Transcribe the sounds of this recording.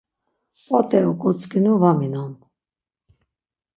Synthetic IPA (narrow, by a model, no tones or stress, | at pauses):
pɔt̪ʼɛukʼut͡sʰkinuvaminan